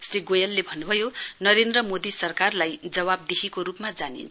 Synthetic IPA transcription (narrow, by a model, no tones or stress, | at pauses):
sriɡojalːebʱʌnːubʱʌjonʌɾend̪rʌmod̪isʌrkarlajd͡zʌβab̚d̪ekʰikoɾupmad͡zanḭnt͡sʰ